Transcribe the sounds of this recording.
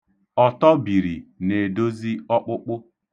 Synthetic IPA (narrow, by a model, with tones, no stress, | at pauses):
ɔ˨tɔ˦bi˨ɾi˨ne˨do˦zi˦ɔ˦k͡pʊ˦k͡pʊ˦